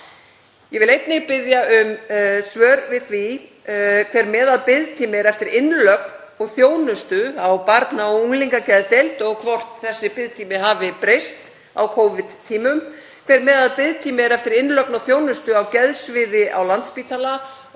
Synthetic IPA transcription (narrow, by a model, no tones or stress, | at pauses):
jɛvɪlejt̪nɪɣpɪðjaʏmsvœːɾvɪðθvi | kʰvɛːɾmɛːðaðpɪðt̪ʰiːmɪɾɛft̪ɪɾʔɪnlœkn | ɔɣθjoːwnʏst̪ʏawpaɾt̪naɔuŋliŋkacɛðt̪elt̪ɔɣkʰvɔr̥t̪n̥θɛsːɪpɪðt̪ʰiːmɪɦaːvɪpɾejst̪ | a̰wkʰoːwvɪt̪ʰːiːmʏm | kʰvɛɾmɛːðaðpɪðt̪ʰiːmɪɾɛft̪ɪɾɪnlœknɔɣθjoːwnʏst̪ʏawcɛðsvɪðɪʔawlant̪spiːt̪ala